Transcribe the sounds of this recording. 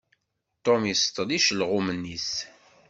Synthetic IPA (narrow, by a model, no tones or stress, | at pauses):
t̪ˤomjist̪ˤəliʃlʁʊmənːis